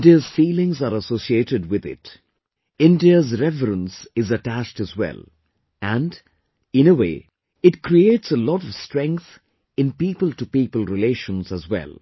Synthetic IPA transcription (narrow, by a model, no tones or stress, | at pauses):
diəz̥fiːlɪ̃ŋzaɾəsoːsietɨd̚wɪðɪ̰t | ɪ̃ndiəzɾɛvəɾə̃nsɪzəʈæt͡ʃtɨzwɛ̰lˠ | æ̃nd | ɪ̃nəwḛː | ɪʈkʰɾieːʈsəlɔɾɔv̥stɾɛ̃ŋk̚θ | ɪ̃npiːpəlˠʈupiːpəl̩ˠɾɪleʃə̃nzəzwɛ̰lˠ